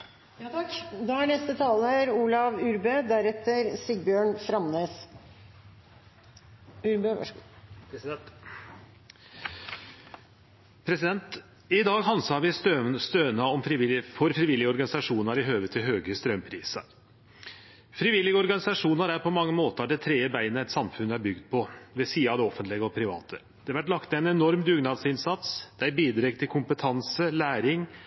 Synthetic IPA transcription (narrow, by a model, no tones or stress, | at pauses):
j̪d̪ɔæɳɛst̪ət̪ʰɑːləɾuːlɑʋʉɾbøːd̪æɾɛt̪ːəɾsɪɡ̚bjøːɳfɾɑmneːs | ʉɾbø̰ | ɛt̪ | pʰɾɛsɪd̪ɛnt̪ | ɪd̪ɑːɡɦɑnsɑʋɪst̪øst̪øːnəɔmfɾfɔɾfɾɪʋɪlːɪɡəɔɾɡɑnɪsɑʂuːnɑɾɪɦøːʋət̪ʰɪlɦøːɡəst̪ɾœmpʰɾiːsə̰ɾ | fɾɪːʋɪlːɪɡəɔɾɡɑnɪsɑʂuːnɑɾæɾpʰɔmɑŋːəmoːt̪əɑɖ̪ɛt̪ʰɾeːəbæɪnəɛt̪sɑmfʉnːæɾbʏɡd̪̚pʰɔʋɛsiːɑʋd̪ɛɔfənt̪lɪɡəɔpʰɾɪʋɑ̰ːt̪ʰə | d̪̥ɛʋæʈlɑkt̪æɪnɛnɔɾmd̪ʉːɡnɑd̪sɪnsɑt̪sd̪̥ɛæbiːd̪ɾɛɡt̪ʰɪlkʰʊmpət̪ʰɑnsəlæːɾɪŋ